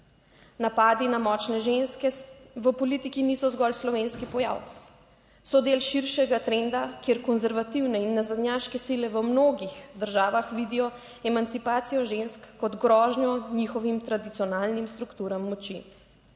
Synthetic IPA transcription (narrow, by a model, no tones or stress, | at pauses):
napaːd̪inamɔt͡ʃnɛʒenskɛʋəpɔlit̪ikinisɔzɡɔlslɔʋeːnskipɔja̰w | sɔd̪elʃiɾʃɛɡat̪ɾɛnd̪akeːɾkɔnzɛɾʋat̪iwnɛinːazad̪njaʃkɛsilɛʋəmnoːɡixd̪əɾʒaːʋaxʋid̪ijɔ | ɛmant̪sipaːt̪sijɔʒenskːɔd̪ɡɾɔːʒɲjɔniːxɔʋimt̪ɾad̪it̪sijɔnaːlnimst̪ɾukt̪uːɾamːɔt͡ʃḭ